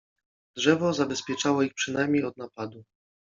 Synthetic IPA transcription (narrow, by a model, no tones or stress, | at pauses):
dʐɛvɔzabɛspʲjɛt͡ʂawɔixpʂɘnajmʲejɔd̪̚napad̪u